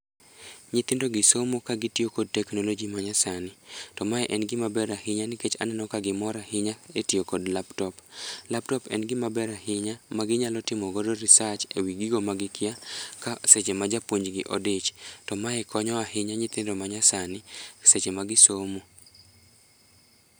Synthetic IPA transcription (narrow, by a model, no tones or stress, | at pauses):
ɲɪt̪ɪndoɡɪsomokaɡɪtiokod̚tɛknolod͡ʒimaɲasanɪtɔmaɛʔɛnɡɪmabɛɾahɪɲanɪket͡ʃa̰nɛnɔkaɡɪmɔɾahɪɲaetiokodlaptɔplaptɔpɛ̰nɡɪmabɛɾahɪɲamaɡɪɲalɔtɪmɔɡodɔɾisat͡ʃewiɡɪɡomaɡɪkʰɪakaset͡ʃemad͡ʒapwoɲd͡ʒɡɪʔɔ̰dɪt͡ʃtɔmaɛkɔɲɔaɦɪɲaɲɪt̪ɪndomaɲasanɪset͡ʃemaɡɪsomo